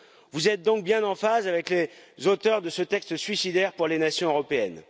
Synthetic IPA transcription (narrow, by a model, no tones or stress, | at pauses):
vuzɛt̪̚d̪ɔ̃k̚bjɛ̃nɑ̃fazavɛklezot̪œʁd̪əsət̪ɛkst̪sɥisid̪ɛʁpuʁlenasjɔ̃øʁɔpeɛn